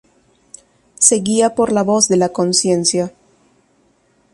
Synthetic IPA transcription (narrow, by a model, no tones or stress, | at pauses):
se̞ɣiapo̞ɾlaβo̞zðe̞lako̞nsje̞nsja